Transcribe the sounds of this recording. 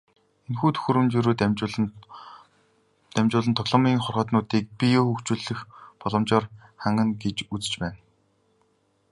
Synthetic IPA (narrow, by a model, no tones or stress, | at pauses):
enxuːt̪ʰɵ̥xŭɾɘ̆mt͡ɕiɾuːt̪ːɮ | t̪æmʲt͡ɕʊːɮə̆nt̪ʰɔɣɮɔ̆miːŋχɔrʁɔːt̪nʊːt̪iːk̚pʲijoxɵkt͡ɕuːɮɘ̆xpɔɮɞ̆mt͡ɕɔːrχæɴɢə̆nɡet͡ɕut͡sɘ̥̆t͡ɕpæːn